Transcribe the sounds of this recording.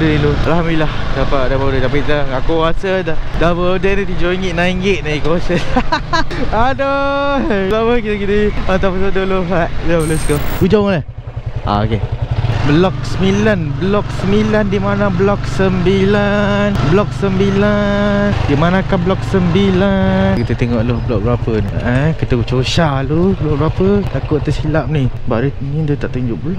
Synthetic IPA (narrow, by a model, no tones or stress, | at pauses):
dlualɦamiilahdapaʔdabədədapaʔkit̪aakoasədadabəodənət̪id͡ʒoiŋɡɪʔnaiŋɡɪʔ̚naikoasəa | ado | labəkit̪əkidiat̪apasodoloɦaʔdabloskokud͡ʒawala | a̰o̰keblɔk̚səmilanbəlɔk̚səmilandimanablɔk̚səmbilanblɔk̚səmbilandimanakanblɔk̚səmbilankit̪ət̪eŋɔʔlohbəlɔʔk̚bəɾapəna̰ʔakit̪ət͡ʃoʃalublɔk̚bɾapət̪akʊʔt̪əsilap̚niba̰ʔde | nĩdət̪aʔt̪uɲd͡ʒʊʔbəlɔk̚